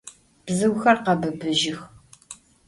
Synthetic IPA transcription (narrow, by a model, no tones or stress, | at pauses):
b̥zɨwxɐrqɐbɨbɨʒɪx